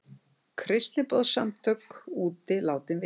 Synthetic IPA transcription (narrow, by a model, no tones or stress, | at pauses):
kʰɾɪst̪lɪpɔðsamt̪ʰœkuːt̪ɪlaːwt̪ɪnvɪ